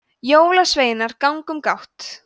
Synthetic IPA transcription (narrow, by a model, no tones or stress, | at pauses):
joːwlasveːjnaɾkawŋkʏmkawht̪